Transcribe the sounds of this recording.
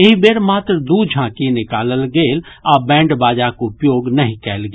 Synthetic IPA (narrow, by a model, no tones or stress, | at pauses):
eɦibeːɾmaːt̪ɾd̪uːd͡ʒʱãːkinɪkaːləlɡeːl | aːbɛ̃ːɳɖbaːd͡ʒakoʊpjoːɡnɐɦĩkɛːlɡe